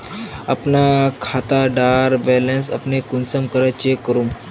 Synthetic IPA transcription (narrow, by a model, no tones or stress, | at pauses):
apnakʰat̪aɖaɾbɛlẽnsa̰pnekunsəmkəɾajt͡ɕekəɾuːm